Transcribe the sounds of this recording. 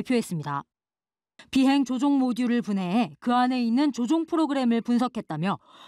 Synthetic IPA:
pʰjoɦe̞s͈ɯmɲida̰ | piɦe̞ŋt͡ɕod͡ʑoŋmoduɾɯɭpunɦe̞ːkɯane̞inːɯnt͡ɕod͡ʑoŋpʰɯɾoɡɯɾe̞mɯɭpunsʰʌkʰe̞t̚t͈amjʌ

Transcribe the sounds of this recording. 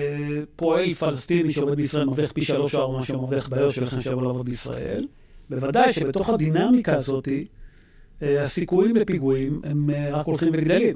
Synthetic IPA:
po̞e̞lfalest̪iniʃeovebeisʁae̞lmaviχpiʃalo̞ʃoaʁmaʃemoviχbaːjot̪ʃelaχemʃejavolaːvo̞d̪̚beisʁa̰ʔe̞̰l | bevad̪ajʃebe̞t̪o̞χad̪inamikaːzo̞t̪i | asikujimlepiɡuimemʁakolχimveɡd̪elim

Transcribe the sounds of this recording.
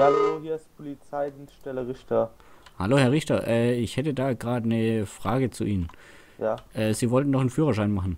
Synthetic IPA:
jaohiːɐɪst̚pʰʊlit͡saɪdinsʃtɛləʁɪçtɐ | haloːhɛɐʁɪçtɐʔɛːɪçhɛtədaːɡʁaːdənəfʁ̥aːɡət͡sṵʔiːnən | jaːʔɛːziːvɔltn̩nɔχn̩fyːʁɐʃaɪnmaχn̩

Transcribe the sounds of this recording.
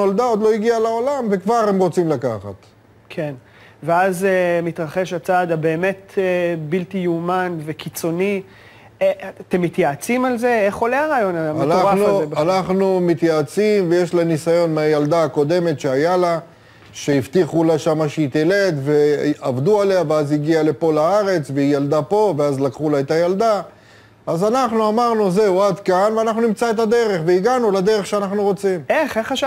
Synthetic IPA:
old̪ao̞d̪lo̞iɡialao̞lamve̞kvaʁhemʁo̞t͡simlakaχa̰t̪ | kʰe̞n | veazemit̪ʁaχe̞ʃat͡sad̪abe̞ːme̞tbiltijumanve̞kit͡so̞ni | at̪e̞mːit̪jaːt͡simalze̞eχoleaʁaːjo̞naamanaaeanaχnumit̪jaːt͡simveje̞ʃlanisajo̞nmeajald̪aːko̞d̪e̞me̞t̪ʃeajala | ʃe̞ift̪iχulaʃamaʃeit̪ele̞d̪ve̞avd̪uale̞aveaziɡiale̞po̞laaʁe̞t͡sveijald̪apo̞veazlakχulaet̪ajald̪a | azanaχnuamaʁnuze̞uad̪kanveanaχnunimt͡saet̪ad̪e̞ʁe̞χveiɡanulad̪e̞ʁeχʃeanaχnuʁo̞t͡simeχeχaa

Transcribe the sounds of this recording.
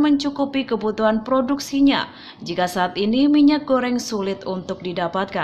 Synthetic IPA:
məɲt͡ʃukupikəbut̪uɦanpɾoduksiɲa̰ | d͡ʒikasaʔːt̪inimiɲak̚ɡoɾɛŋsulɪt̪unt̪ʊk̚didapat̪̚ka

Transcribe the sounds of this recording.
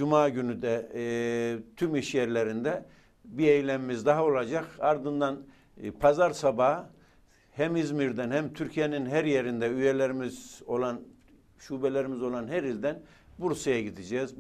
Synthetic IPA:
d͡ʒumaːɟynyd̪ɛ | t̪ʰymiʃjɛɾlʲeɾind̪ɛ | biejlʲɛmimizd̪aɦao̞lˠad͡ʒakaɾd̪ɯnd̪an | pʰazaɾsaba | hæmizmiɾd̪ænhæmt̪ʰyɾcʰijeninɦæɾjeɾind̪ɛyjelʲeɾimizo̞lˠan | ʃuːbɛlʲeɾimizo̞lˠanɦæɾilʲd̪æn | buɾsajaɟid̪id͡ʒɛːz

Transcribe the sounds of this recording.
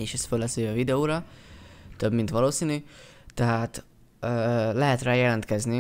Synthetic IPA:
eːʃɛst̪følːɛsejɛvid̪ɛoːɾɒ | t̪øbmint̪ʋɒloːsiːny | t̪ɛɦaːt̪ | ølɛɦɛt̪raːjɛlɛnt̪kɛzni

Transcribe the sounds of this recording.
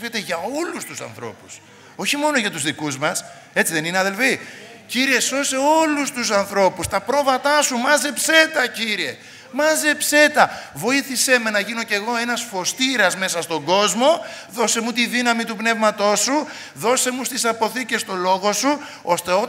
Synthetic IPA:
et̪eʝɐo̞lust̪usɐ̰nθɾo̞̰pu̥s | o̞çimo̞no̞ʝɐt̪uzðikuzmɐs | e̞t͡siðe̞nineɐðe̞lfi | ciɾie̞so̞se̞o̞lust̪usɐnθɾo̞pust̪ɐpɾo̞vɐt̪ɐsumɐze̞pse̞t̪ɐciɾie̞ | mɐze̞pse̞t̪ɐvo̞iθise̞menɐʝino̞ce̞ɣo̞e̞nɐsfo̞st̪iɾɐzme̞sɐst̪o̞ŋɡo̞zmo̞ðo̞se̞mut̪iðinɐmit̪upne̞vmɐt̪o̞su | ðo̞se̞must̪isɐpo̞θice̞st̪o̞lo̞ɣo̞su | o̞st̪e̞o

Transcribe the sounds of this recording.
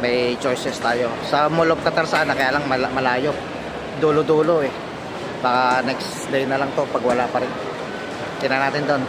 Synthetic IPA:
mɐjt͡ʃo̞jsɛst̪aːjo̞sɐmolop̚k̪ɐt̪ɐɾsaʔanːɐkɐjaːlaŋmɐlamɐlaːjop̚ | d̪uːlod̪uːloʔɛ | baːkanɛks | lejnɐlaŋt̪o̞pɐɡwɐlapɐɾɪnt̪o | t̪ɪnanaːt̪ɪnd̪on

